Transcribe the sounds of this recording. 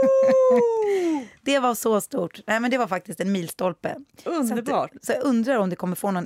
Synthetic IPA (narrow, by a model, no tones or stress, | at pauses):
d̪̥ɛvaɾsɔst̪uːʈnɛɪmɛnd̪ɛvaɾfak̚t̪ɪst̪ɛnmiːlst̪ɔlpə̰ɵəbːsɔjaɵnd̪ɾaɾɔmd̪ɛkʰɔmːəɾfoːnɔn